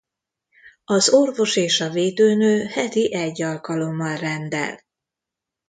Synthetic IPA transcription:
ɒzorvo̞ʃeːʃɒveːd̪øːnøːhɛt̪iʔɛɟːɒlkɒlo̞mːɒlrɛnd̪ɛ̰l

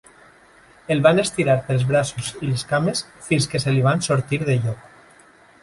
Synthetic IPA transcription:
elβanest̪iɾaɾpelzβɾasuzileskamesfinskeseliβ̞ansoɾt̪iɾðeʎɔk

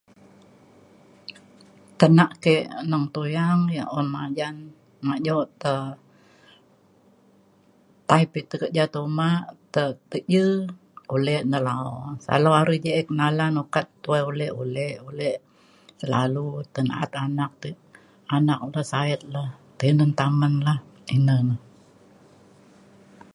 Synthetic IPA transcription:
t̪ənaʔkeʔnəŋt̪ojaŋjəʔɔnmad͡ʒan | maʔd͡ʒoʔt̪ə | t̪aipit̪əkəd͡ʒat̪omaʔt̪ət̪əʔd͡ʒə | olɛnəlaosa̰laaɾud͡ʒəʔɛknalanokat̪ːuaolɛholɛolɛ | səla̰lut̪əna̰a̰t̪anak̚t̪ə | anak̚ləhsaɛt̪̚laht̪ənənt̪amənlahinənəh

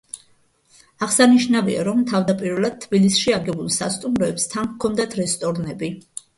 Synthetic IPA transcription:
aʁsaniʃnavḭa̰ɾɔmt̪ʰavd̪apʼiɾvɛlˠad̪̚t̪ʰːbilisʃiaɡɛbulˠsa̰st̪ʼumɾɔɛpst̪ʰankʰɔnd̪at̪ʰɾɛst̪ʼɔɾnɛbi

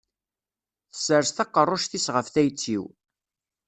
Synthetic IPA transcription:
θə̥səɾsθɑqːərˤːʊʃθisʁəfθæjt͡sːiw

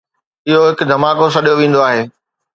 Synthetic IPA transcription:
ɪɦoɦɪkd̪ʱɐmaːkos̬ɐɗijoʋĩːn̆d̪oaːɦeː

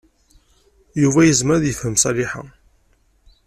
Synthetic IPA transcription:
juvæjəzməɾðjəfhəmsˤɑliħa̰

